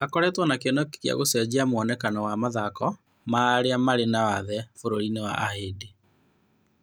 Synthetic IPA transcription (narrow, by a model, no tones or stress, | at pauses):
akɔɾɛtwɔnakenɔkkea̰ɣosɛd͡ʑeamwɔnɛkanɔwamaðakɔ | maɾeamaɾenawaðɛfoɾoɾinewa̰ʔahede